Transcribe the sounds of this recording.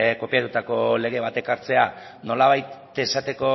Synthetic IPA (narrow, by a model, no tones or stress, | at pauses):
ko̞piat̪ut̪ako̞le̞ɣ̞e̞βat̪e̞kaɾt͡se̞a | no̞laβ̞ajt̪ | esat̪e̞ko̞